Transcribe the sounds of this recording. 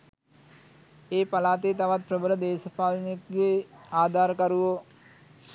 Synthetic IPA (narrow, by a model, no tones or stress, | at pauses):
eːpalaːt̪eːt̪aʋat̪̚prəbəɾəd̪eːsəpaːlnekɡeaːd̪ʱaːɾəkɐɾuʋo